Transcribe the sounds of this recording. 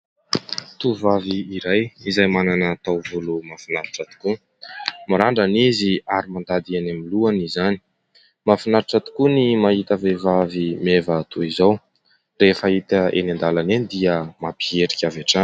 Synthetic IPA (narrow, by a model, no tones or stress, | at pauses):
t̪uvaviːɾajizajmananaːt̪awvulumafinaɾiʈ͡ʂat̪u̥ku | maɾaɳɖ͡ʐaniziaɾimand̪ad̪ianamiluanizani̥ | mafinaɾiʈ͡ʂat̪i̥kunimaɦit̪avevavimevət̪uizaw | refəit̪aḛnand̪alanenid̪iəmapieɾikʲaveʈ͡ʂan